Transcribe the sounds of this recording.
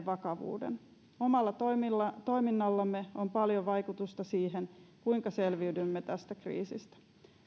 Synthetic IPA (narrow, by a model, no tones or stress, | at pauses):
ʋɑkɑʋṵːdḛn | o̞mɑlːɑt̪lːɑt̪o̞jminːɑlːɑmːeo̞mpɑljoʋɑjkut̪ust̪ɑsiːɦenkuiŋkɑse̞lʋiydymːet̪æst̪ækrḭːsist̪æ̥